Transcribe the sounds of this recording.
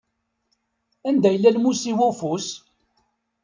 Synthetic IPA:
ænd̪æjəlːælmusiwʊfus

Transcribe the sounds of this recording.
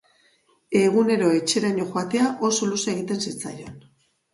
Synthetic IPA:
e̞ɣ̞une̞ɾo̞e̞t͡ʃe̞ɾaɲoxwat̪e̞aʔo̞so̞luseɣit̪e̞nsit͡sajo̞n

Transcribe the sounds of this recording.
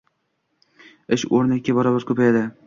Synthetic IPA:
ɪʃoɾnakʲːabɒɾɒbaɾkʰɵpajad̪ɪ

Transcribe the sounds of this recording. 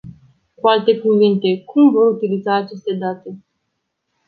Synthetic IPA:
kualt̪e̞kuvint̪e̞kumvo̞ɾut̪ilizaːt͡ʃe̞st̪e̞d̪at̪e̞

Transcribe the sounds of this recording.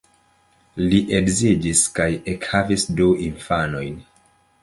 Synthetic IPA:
liʔeɡzid͡ʒiskajekhavisduiɱfano̞jn

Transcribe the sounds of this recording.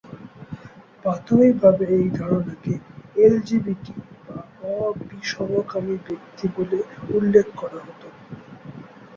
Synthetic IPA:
bat̪oibʱabeejd̪ʱaɾonakeeld͡ʑibiʈiba | ɔbiʃɔbokamibek̚t̪iboleulːekʰkɔɾaɦot̪o

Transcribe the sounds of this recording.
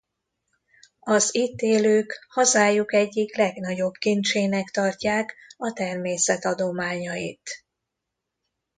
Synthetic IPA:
ɒziːt̪eːløːkhɒzaːjukɛɟːiklɛɡnɒɟo̞bkint͡ʃeːnɛkt̪ɒrcaːkɒt̪ɛrmeːsɛt̪ɒd̪o̞maːɲɒjḭt̪

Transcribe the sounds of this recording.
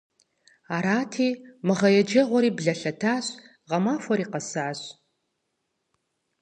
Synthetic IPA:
aːɾaːtʰiːmɨʁɐjɛd͡ʒɐʁʷɔɾiːbɮɐɬɐtʰaːɕ | ʁɐmaːfʷɔɾiːqɐsaːɕ

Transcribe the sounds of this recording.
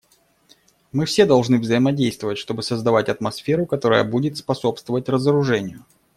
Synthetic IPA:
mɨfsʲe̞d̪ɐlˠʐnɨvzəɪmɐdʲejst̪vəvətʲʂt̪o̞bɨsəzd̪ɐvatʲɐt̪mɐsfʲe̞ɾʊkɐt̪o̞ɾə̰jə̰budʲɪt̪spɐso̞pst̪vəvətʲrəzəɾʊʐɛnʲɪjʊ

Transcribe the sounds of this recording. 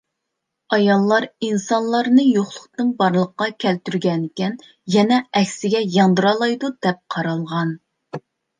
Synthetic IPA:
ɑjɑlˠːɑɾinsɑnlˠɑɾnɨjoχlˠʊqt̪ɨnbɑɾlˠəχqːɑkʲʰɛlt̪yɾɡʲɛnɪkʲɛn | jɛnɛɛkʲsɪɡʲɛjɑnd̪ɨɾɑlˠɑjd̪ud̪̥ɛp̚qʰɑɾɑlˠʁɑn

